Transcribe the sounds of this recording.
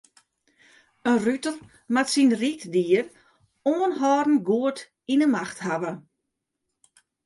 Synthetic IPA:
ənrytəlˠ | matsinritdiər | oənɦɔːɾn̩ɡuət | inəmaxthaʋə

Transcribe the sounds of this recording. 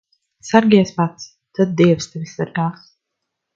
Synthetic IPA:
saɾɡʲiɛspat̪s | t̪ad̪̚d̪iɛvst̪ɛvisːaɾɡaːs

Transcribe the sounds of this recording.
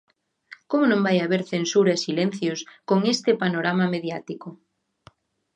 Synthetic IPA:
komonõmbajaβeɾθensuɾaesilen̟θjoskoŋest̪epanoɾamameðjat̪iko

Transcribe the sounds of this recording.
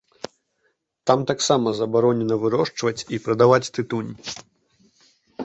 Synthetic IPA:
t̪amt̪aksamɐzɐbaɾɔnʲɛnɐvɨɾɔʂt͡ʂvɐt͡sʲipɾɐd̪avat͡sʲt̪ɨt̪unʲ

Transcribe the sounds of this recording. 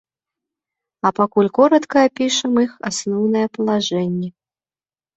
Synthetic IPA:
ɐpakulʲkɔɾɐt̪kɐːpʲiʂɐmixasnɔwnɐjɛpɐlˠaʐɛnʲːɛ

